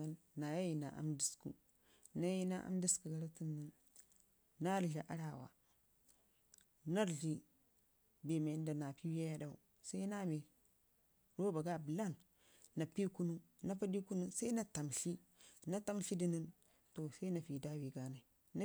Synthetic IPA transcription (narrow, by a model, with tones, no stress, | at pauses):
a˦˨l | na˨ja˦ji˨na̰˨ʔa̰˨mdi˦skṵ˦ | na˦ji˦na̰˦ʔa̰˦mdi˦sku˨ɡa˨ɾa˦ti˦nːi˦nː | a˦ɾɮa˨ʔa˦ɾa˨wa̰˨ | na˦ɾɮi˦ | be˨me˨n˦da˨na˨pi˦wja˦ja˦da˨ṵ˨ | sa˦i˦na˦me˨ | ɾo˦ba˨ɡa˦˨bla˦˨nː | a˨pi˦ku˦nu˦ | na˦pa˦di˦ku˦nu˦sa˦i˦na˨ta˨mɬi˦na˦ta˦mɬi˦di˦ni˦n | to˨sa˦i˦na˨fi˨da˦wi˨ɡa˦na˨i˨ | na˦